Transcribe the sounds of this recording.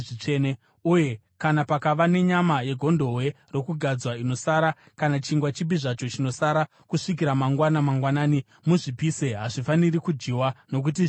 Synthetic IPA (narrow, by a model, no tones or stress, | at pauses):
ʐit͡ʂene | uje̞ | kanapakaʋane̞ɲamaje̞ɡʱo̞ndo̞we̞ | ro̞kuɡʱad͡zwainosaɾa | kanat͡ʃiŋɡwat͡ʃibiʐat͡ʃot͡ʃino̞saɾa | kuʂik̬iɾamaŋɡwanamaŋɡwanaːni | muʐipiseɦaʐifaniɾikud͡ʒiwano̞k̬ut̬i